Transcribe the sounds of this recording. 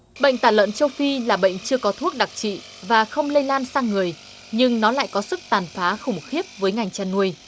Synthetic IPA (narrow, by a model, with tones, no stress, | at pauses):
ɓə̰˧˨jŋ̟t̪aː˧˩lwə̰˧˨nt͡ɕə˧wfi˧laː˨˩ɓə̰˧˨jŋ̟t͡ɕɨ˧əkɔ˨˦t̪ʰu˦˥ək̚ɗa˨˩k̚t͡ɕḭ˧˨ | vaː˨˩xə˧wŋ͡mlə˧jlaː˧nsaː˧ŋɨ˨˩əj | ɲɨ˧ŋnɔ˨˦la̰ː˧˨jkɔ˨˦sɨ˦˥k̚t̪aː˨˩nfaː˨˦xʊ˨˧˩ŋ͡mxi˦˥əp̚vəː˨˦jŋa˨˩jŋ̟t͡ɕaː˧˩nːu˧əj